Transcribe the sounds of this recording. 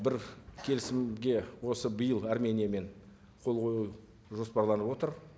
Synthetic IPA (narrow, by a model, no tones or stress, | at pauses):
bɪɾkʲʰe̞lɪsɪmɡʲe̞wo̞səbəjəlˠarme̞nʲijame̞ɴ | qʰo̞lˠʁʰo̞ju | ʒo̞spɑɾlˠɑnəpwo̞t̪əɾ